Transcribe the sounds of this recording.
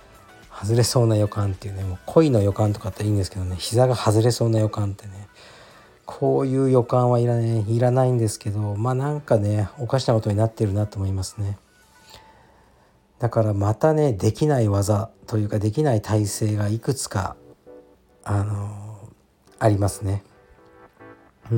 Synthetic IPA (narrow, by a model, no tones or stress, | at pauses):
hazɨɾe̞so̞ːnajo̞kãnt̪e̞iɯ̟nemokʰo̞ino̞jo̞kãnt̪o̞kat̪ːeiːnd̪e̞sɨ̥ke̞d̪o̞ne̞ɕizaɡahazɨɾe̞so̞ːnajo̞kãnt̪e̞ne̞ | kʰo̞ːjɯ̟ːjo̞kãɰ̃βaiɾaiɾanaĩnd̪e̞sɨ̥ke̞d̪o̞maːnãŋkane̞o̞kaɕi̥nako̞t̪o̞ɲ̟inat̪ːe̞ɾɯ̟nat̪oːmo̞imasɨ̥ne̞ | d̪̥akaɾamat̪ane̞d̪e̞kʲinaiβazat̪o̞jɯ̟ːkad̪e̞k̬ʲinait̪ʰaise̞ːɡaikɯ̟t͡sɨ̥ka̰ | ano̞ | aɾʲimasɨne̞